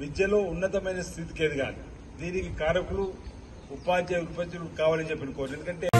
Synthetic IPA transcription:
ʋid̪jɐlo̞ːunːɐt̪ɐmɐjnɐst̪ʰit̪i̥keːd̪iɡa̰ːni | d̪iːnikikaːɾɐkulu | upaːd̪jɐuɾ̚pɐt̪ːɐluukaːʋaːlit͡ʃepːinɐkoʋend̪ukɐɳʈe̞ː

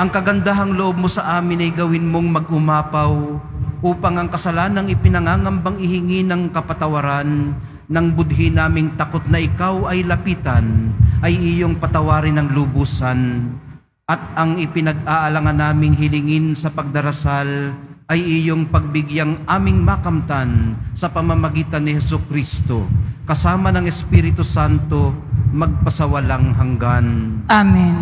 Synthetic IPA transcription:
ʔɐŋkɐɡɐnd̪aɦɐŋloʔob̚mosɐʔaːmɪnɐjɡɐwɪnmoŋmɐɡ̚ʔʊmaːpɐwʔuːpɐŋɐŋkɐsɐlaːnɐŋɪpɪnɐŋaːŋɐmbɐŋɪhɪŋinɐŋkɐpɐt̪ɐwɐɾanː | ɐŋbʊd̪ɦɪnaːmɪŋt̪ɐkot̪̚nɐʔɪkawɐjlɐpiːt̪ɐnʔɐjʔɪjoŋpɐt̪ɐwaːɾɪnɐŋlʊbuːsɐn | ʔɐt̪̚ɐŋɪpɪnɐɡ̚ʔaːʔɐlaŋɐnːaːmɪŋɦɪlɪŋɪnsɐpɐɡ̚d̪ɐɾɐsal | ɐjɪjoŋpɐɡ̚bɪɡjaŋʔaːmɪŋmakɐmt̪ansɐpɐmamɐɡiːt̪ɐnːɪhɛsʊkɾist̪o̞kɐsaːmɐnɐŋɛspiɾɪt̪ʊsant̪o̞mɐɡ̚pɐsɐwɐlaŋɦɐŋɡanami

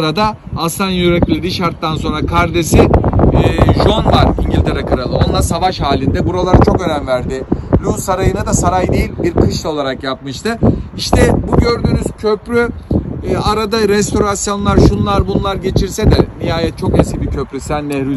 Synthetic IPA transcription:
ɾad̪a | asˠanjyɾɛclʲlʲed̪iʃaɾt̪ːanso̞nɾakʰaɾd̪esiː | ʒo̞nvaɾiɲɟilʲt̪ʰe̞ɾɛkaɾalˠɯo̞nlˠaɾsavaʃhaːlʲind̪ɛbuɾalˠaɾɯt͡ʃʰo̞kø̞nænvæɾd̪ɪlʲusaɾajɯnad̪asaɾajd̪ejilʲbiɾkʰɯʃt̪o̞lˠaɾakjap̚mɯʃt̪ʰɯiʃt̪ʰɛbuɟø̞ɾd̪yːnyz̥cʰøpɾy | aɾad̪aɾɛst̪ʰo̞ɾasjo̞nlˠaɾʃunlˠaɾbunlˠaɾɟe̞t͡ʃʰiɾsɛd̪ɛmijaːjɛt̪̚t͡ʃʰo̞kensibicʰø̞pɾysænːɛɾy

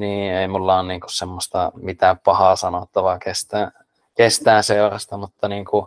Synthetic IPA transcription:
niːeˑimulːɑonniːŋku̥ssemːost̪ɑmit̪æːppɑhɑsɑnot̪ːɑʋɑkest̪æː | kest̪æːnseorɑst̪ɑmut̪ːɑniːŋku

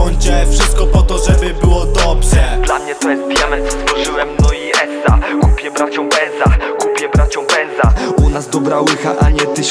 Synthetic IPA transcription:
ɔɲt͡ɕɛfʂɘst̪̚kɔpɔt̪ɔʐɛbɘbɘwɔd̪ɔbʐɛd̪lamɲɛt̪ɔjɛst̪̚pʲjamɛzɔst̪fɔʐɘwɛmnɔiɛsːakupʲjɛbɾat͡ɕɔ̃bɛnzakupʲjɛbɾat͡ɕɔ̃bɛnzaunazd̪ɔbɾawɘxa̰ʔaɲɛt̪ɘ

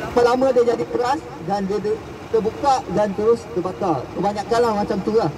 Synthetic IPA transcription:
pəlamə̃diəd͡ʒadikəɾas | dandiədə | t̪əbukaʔdant̪əɾʊst̪əbak̪akəbaɲakːanlahmat͡ʃamt̪uɾah

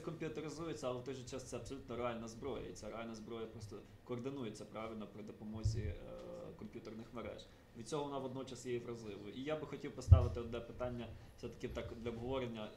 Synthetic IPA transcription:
ɛkɔmʲpʲjʊt̪eɾɪzujet͡sʲːɐɐlˠɛwt̪ɔjʒɪt͡ʃast̪sɛɐpsɔlʲut̪nɔɾeɑlʲnɐzbɾɔjɐ̰it͡sʲaɾeɑlʲnɐzbɾɔjɐpɾɔst̪ɔ | kɔːrd̪ɪnujet͡sʲːɐpɾɑʋʲɪlʲnɔpɾɪd̪opɔmɔzʲi | kɔmpʲjut̪ernɪxmeɾɛ̰ʒ̥ | ʋʲid̪̚t͡sʲɔɦɔʋɔnɑʋɔd̪nɔt͡ʃɐsjejiʋɾɐzlˠɪʋɔʔijabɪxɔtʲiwpɔst̪ɑʋɪt̪ɪɔd̪nɛpɪt̪ɑnʲːɐfsɛt̪ɐ̥kɪwt̪ɑkd̪lʲɐɔbɦɔʋɔɾenʲːɐ

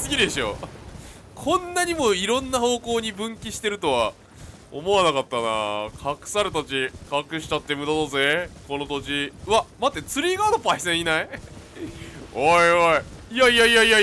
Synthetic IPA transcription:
sɨɡʲid̪eɕo̰ | kʰõ̞nːaɲ̟imo̞iɾõ̞nːaho̞ːko̞ːɲ̟ibɯ̟̃ŋkʲiɕi̥t̪e̞ɾɯ̟t̪o̞βa | o̰mo̞anakat̪ːana̰kʰakɯ̟̥saɾɯt̪at͡ɕikakɯ̟ɕi̥t͡ɕat̪ːe̞mɯ̟d̪at̪ozeko̞no̞t̪o̞t͡ɕiɯamat̪ːe̞t͡sɨɾʲiːɡaːd̪opaisẽɰ̃inai | oioiiaiaijaija

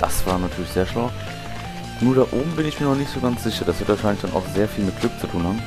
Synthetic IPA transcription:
d̥asv̥aːʁnatʰyːɐlɪçz̥eːɐʃlaʊ | nuːɐɾaːʔoːbm̩bɪnɪçmiːɐnɔχnɪçtz̥oɡant͡sz̥ɪçɐd̥asv̥ɪɐtəvaːʃaɪnlɪçd̥anʔa̰ʊxz̥eːɐfiːlmɪt̚ɡ̥lʏk̚t͡sutʰuːnhaːbm̩

